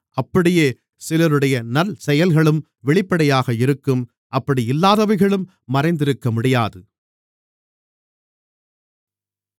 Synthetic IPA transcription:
ʔɐpːɐɽɪjeː | sɪlɐɾɯɽɐjɐnɐlsɛjɐlɣɐɭɯm | ʋɛɭɪpːɐɽɐjaːɣɐɪɾɯkːɯm | ʔɐpːɐɽiɪlːaːðɐʋɐɪɣɐɭɯmː | ɐɾɐɪnd̪ɪɾɯkːɐmʊɽɪjaːðɯ

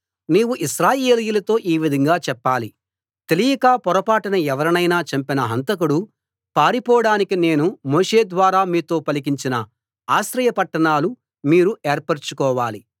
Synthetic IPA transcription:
niːwuʔiʃɾaːje̞ːlijulɐt̪o̞ːʔiːʋid̪ʱɐŋɡaːt͡ʃɛpːaːli | t̪elijɐkaːpɔɾɐpaːʈɐnɐɛʋɐɾɐnɐjnaːt͡ʃɐmpinɐɦɐnt̪ɐk̬uɽu | paːɾipɔːɐɽaːnikine̞ːnumoːʂe̞ːd̪ʋaːɾaːmiːt̪o̞ːpɐlik̬iɲt͡ʃinɐ | aːʃɾɐjɐpɐʈːɐɳaːlu | miːɾueːɾpɐɾt͡ʃukɔːʋaːli

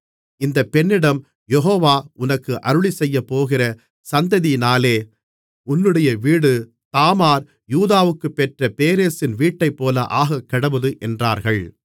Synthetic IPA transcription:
ɪnd̪ɐpːɛnːɪɽɐm | jɛɦoːʋaːʊnɐkːɯʔɐɾɯɭisɛjːɐpːoːɣɪrɐ | sɐnd̪ɐðinaːleː | ʊnːɯɽɐjɐʋiːɽɯ | t̪aːmaːɾ | juːðaːʋɯkːɯpːɛʈrɐpeːɾeːsɪnʋiːʈːɐɪpːoːlɐʔaːɣɐkːɐɽɐʋɐðɯʔɛndraːɾɣɐɭ

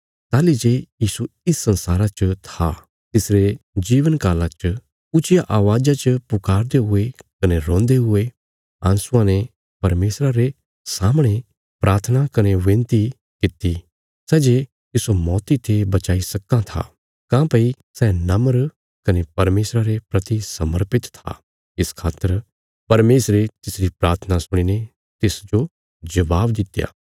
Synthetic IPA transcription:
t̪aːlid͡ʒejiːsuɪsːɐ̃nsaːɾat͡ʃt̪ʰa̰ | t̪ɪsɾed͡ʒiːʋənkaːlat͡ʃ | ʊt͡ʃɪjaʔaːʋaːd͡ʒat͡ʃəpʊkaːɾd̪eɦʊekɐneɾõːnd̪eɦʊe | ã̰ːnsʊãnẽ | pɐɾmeːsɾaɾe | saːmɽ̃e | pɾʔaːɾt̪ʰənakɐneʋẽːnt̪i | kɪt̪ːi | sɛːd͡ʒe | t̪ɪsomɔːt̪it̪ʰebɐt͡ʃaːisɐkːãt̪ʰa̰ | kãːpɐi | sɛnɐməɾ | kɐnepɐɾmeːsɾaɾepɾɐt̪isɐməɾpɪt̪t̪ʰa̰ | ɪskʰaːt̪ːəɾ | pɐɾmeːsɾet̪ɪsɾipɾaːɾt̪ʰənasʊɽ̃ine | t̪ɪsd͡ʒo | d͡ʒɐʋaːbd̪ɪt̪ja̰ː

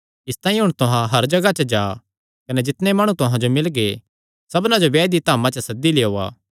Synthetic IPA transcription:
ɪst̪aːĩɦʊɽ̃t̪ʊɦãɦɐɾd͡ʒɐɡat͡ʃɐd͡ʒaː | kɐnɛd͡ʒɪt̪nemaːɽ̃ũt̪ʊɦãd͡ʒomɪlɡe | sɐbnãd͡ʒoʋɛːd̪it̪aːmãt͡ʃɐsɐd̪ːileːoːa̰ː

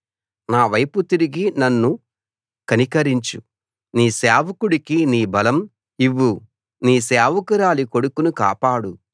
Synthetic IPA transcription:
naːʋɐjput̪iɾiɡinɐnːu | kɐnikɐɾiɲt͡ʃu | niːseːʋɐkuɽikiniːbɐlɐm | iʋːu | niːsɛːʋɐkɐɾaːlikoɽukunuka̰ːpaːɽu

